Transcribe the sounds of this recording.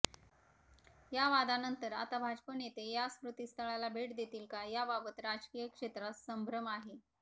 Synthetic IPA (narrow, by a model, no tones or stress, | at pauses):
jaʋad̪anənt̪əɾat̪abʱad͡ʑpənet̪ejaskɾut̪ist̪ʰəɭalabʱeʈd̪et̪iːlkajababət̪ɾad͡ʑkijəkʂet̪ɾassəmbʱɾəmaɦe